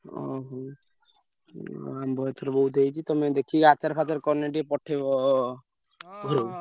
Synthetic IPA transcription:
ɔ̰ɦɔ | ambɔet̪ʰɔɾbɔɦut̪ejt͡ʃʰit̪ɔmẽd̪ekʰiat͡ʃaɾpʰat͡ʃeɾkɔɾneʈipɔʈʰːe | ɡʱɔɾo

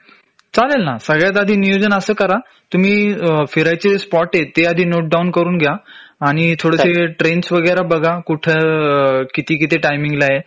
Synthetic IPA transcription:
t͡salelnasəɡɭjat̪̬ad̪ʱiːnijod͡zənəsəːkəɾa | t̪um̤iːfiɾajt͡seespɔʈet̪ead̪ʱiːnoʈ̚ɖaunkəɾuːnɡʱjaːɽ̃it̪ʰoɽəseʈɾensʋəɡəjɾabəɡʱakuʈʰe | kit̪iːk̬it̪eʈajmiŋɡlaɦe

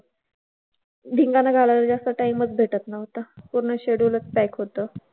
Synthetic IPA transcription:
d̪ʱiŋɡanaɡʱalaaɾd͡zast̪əʈajməd͡zbʱeʈət̪naɦot̪apuɾɳəɕeɽulət͡spɛjkɦot̪ə

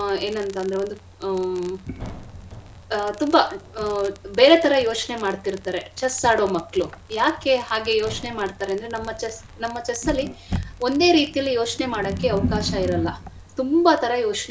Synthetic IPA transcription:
e̞ːnɐnt̪ɐːnd̪ɐɾeo̞nd̪u | t̪umba | be̞ːɾe̞t̪ʰɐɾɐjoːt͡ʃne̞maːɽt̪iɾt̪aːɾet͡ʃɐsaːɽo̞ːmɐkːɭujaːke̞haːɡe̞jo̞ːt͡ʃnemaːɽt̪aːɾeɐnd̪ɾenɐmːɐt͡ʃɐs | nɐmːɐt͡ʃɐsɐlːio̞nd̪e̞ːɾiːt̪ijɐlːijo̞ːt͡ʃne̞maːɽokːe̞ɐʋɐkaːʃɐiɾɐlːɐ | t̪umbɐt̪ʰɐɾɐjo̞ːt͡ʃn

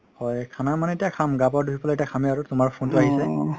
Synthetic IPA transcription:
hɔjkʰanaɹmanɛtijakʰamɡap̬ɔɹdubipɔlaetiakʰamɛaɹutʊmaɹpʰuntʊaɦisɛ

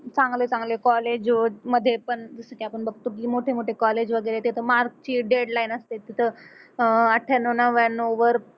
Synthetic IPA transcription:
t͡sãŋɡlet͡sãŋɡlekɔled͡ʑməd̪ʱːjepəɳd͡z̪əsaʈʰiapəɳbəɡ̚t̪oiːmoʈʰemoʈʰekɔled͡ʑʋəɡəjɾet̪et̪ʰəmaɾk̚t͡ɕiːɖeɽlainəst̪et̪ːit̪ʰə | əʈʰːanəʋnəʋanoʋəɾ

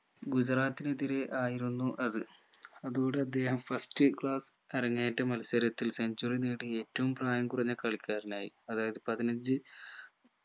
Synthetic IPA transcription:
ɡud͡ʑraːt̪ːineðiɾeʔaːjiɾunːuʔɐðɨɐðuɣoːɳɽɖeɐd̪ʱjeːhɐmfɐstɨkɭaːs | ɐɾɐŋːeːjtːɐmɐlɐsɐɾɐt̪ːilseɲd͡ʑuriniːɽie̞ːtːɐʋumpraːjɐmkuriɲːɐkɐɭikʲʰːaːɾinaːjḭɐðaːjɐðɨpɐðinɐɲd͡ʑɨ

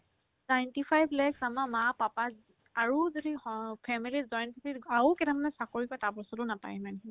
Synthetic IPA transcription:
najntipʰajbʱlɛksamamapapa | aɹuzodiɔpʰɛmilizɔjnpʰipitaukɛtʰamanɛsakoɹikɔtapɔsɔtʊnapa̰jmanɛ

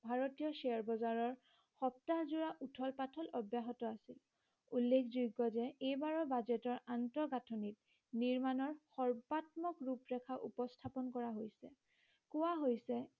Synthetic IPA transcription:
bʱaɹotijɔsɛɔɹbɔzaɹɔɹ | xɔp̚tazuɹaʔutʰɔlpatʰɔlɔbjaɦɔtɔasil | ulːekʰzujɡɔzɛejbaɹɔbazɛtɔɹantɔɡatʰɔnit̚ | niɹmanɔɹxɔɹbatmɔkɹupɹɛkʰaʔupɔstʰapɔnkɔɹaɦojsɛ | kʊwaɦojsɛ

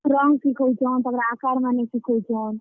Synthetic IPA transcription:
ɾɔŋɡkikʰod͡ʒawnt̪əɡɾaakaɾmanekikʰod͡ʒan

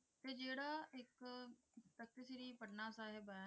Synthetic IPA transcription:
t̪eːd͡ʒeːɽaːɪk | pɾək̚t̪ɪsɪɾiːpəɽnaːsaːɦeba

